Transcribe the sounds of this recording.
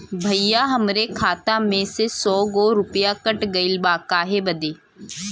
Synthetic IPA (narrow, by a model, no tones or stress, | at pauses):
bʱəijaɦəmɾekʰaːt̪amẽsesɔːɡoːɾʊpjakəʈɡɐɪlbaːkaːɦebəd̪eː